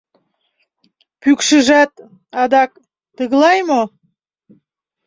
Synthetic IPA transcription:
pykʃəʒæt̪ | ɑd̪ɑk | t̪əɣlɑjmo

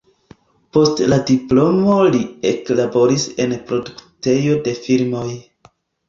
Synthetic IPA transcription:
po̞stladiplo̞mo̞lieklabo̞ɾise̞npɾo̞dukte̞jo̞de̞filmo̞j

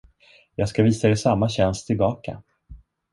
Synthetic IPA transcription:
jɑːɡskaviːsaɛɾsamːaɕɛnst̪ʰɪlbɑːka̰

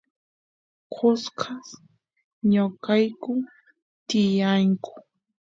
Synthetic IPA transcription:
kʰʊskʰas | ɲʊkajkʊ | t̪ɪjaŋkʊ̥

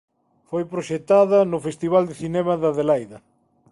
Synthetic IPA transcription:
fojpɾoʃet̪aðɐnʊfest̪iβ̞ald̪ɪθinɛmɐðɐðelajðɐ

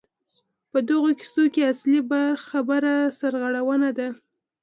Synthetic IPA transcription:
pəd̪əɣoki̥sokeaslibaxabəɾasaɾɣaɽawənad̪a

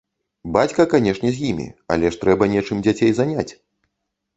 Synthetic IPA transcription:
bat͡sʲkɐkanʲɛʂnʲɛzʲjimʲḭa̰lʲɛʂt̪ɾɛbɐnʲɛt͡ʂɨmd͡zʲat͡sʲejzanʲat͡sʲ

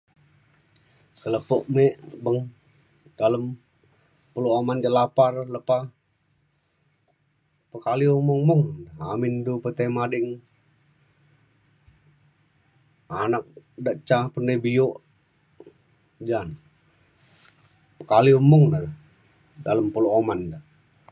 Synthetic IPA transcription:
kələpoʔmeʔbəŋ | d̥aləm | pəloamand͡ʒəlaparləpa | pəkaliumuŋmʊŋəa̰mindupət̪emadɪŋ | anak̚daʔt͡ʃapəndəbioʔ | d͡ʒan | pəkaliumʊŋdad | daləmpuloomanda

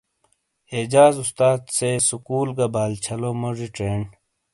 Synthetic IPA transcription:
eːd͡ʑaːzust̪aːd̪sesukuːlɡɐbaːlt͡ɕʰɐlomoʐiʈeːɳ

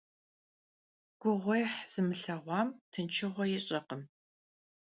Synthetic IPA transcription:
ɡ̥ʷʊʁʷɔjħz̥ɨmɨɬɐʁʷɑːmtʰɨnt͡ʃʰɪʁʷɔjɪɕʼɐqəm

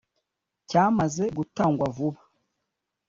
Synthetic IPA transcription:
caːmazeɡutaːŋɡwavuβa

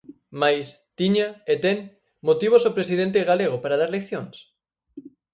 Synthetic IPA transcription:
majs | t̪iɲaet̪eŋ | mot̪iβ̞osopɾesiðent̪̬eɣaleɣ̞opaɾað̞aɾlekθjoŋs

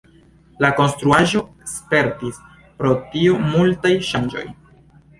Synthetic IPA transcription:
lako̞nstɾuaʒo̞ | spe̞ɾtis | pɾo̞tiumultajʃand͡ʒo̞̰j

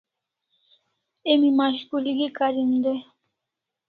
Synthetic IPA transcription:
emimaɕkuliɡikaɾimd̪e

